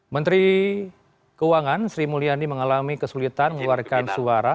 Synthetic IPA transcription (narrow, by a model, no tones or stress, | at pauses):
mənt̪ɾi | kəuaŋansɾimulianiməŋalamikəsulit̪anməluarkansuaɾa